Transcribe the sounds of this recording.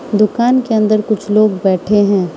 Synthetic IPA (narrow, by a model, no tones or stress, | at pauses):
d̪ʊkaːnkeɐ̃nd̪əɾkʊt͡ʃʰloːɡbɛːʈʰeɦɛ̃ː